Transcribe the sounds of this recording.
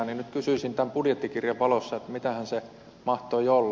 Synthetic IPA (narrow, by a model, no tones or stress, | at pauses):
ninyt̪kysyisint̪æmpudjet̪ːikirjɑʋɑlosːɑet̪mit̪æhænse | mɑht̪oiolː